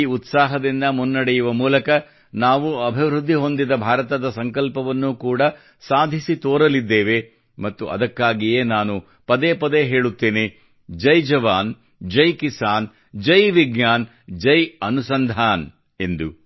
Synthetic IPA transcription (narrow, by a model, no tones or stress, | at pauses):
ut̪saːɦɐd̪ind̪ɐmunːɐɽɛjuʋɐmuːlɐkɐ | naːʋuɐbʱiʋɾud̪ʱːiɦo̞nd̪id̪ɐbʱaːɾɐt̪ɐd̪ɐsɐŋkɐlpɐʋɐnːukuːɽɐ | saːd̪ʱisit̪oːɾɐlid̪ːeːʋe̞ | mɐt̪ːuʔɐ̰d̪ɐkːaːɡijeːnaːnu | pɐd̪eːpɐd̪eɦeːɭut̪ːeːne | d͡ʒɐjd͡ʒɐʋaːn | d͡ʒɐjkisaːn | d͡ʒɐjʋiɡɲaːn | d͡ʒɐjɐnusɐnd̪ʱaːn | e̞nd̪u